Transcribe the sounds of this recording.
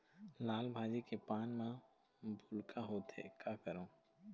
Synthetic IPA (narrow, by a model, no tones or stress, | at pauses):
laːlbʱaːd͡ʒikepaːnmã | bʱʊlkaɦoːt̪ɦḛkaːkəɾõː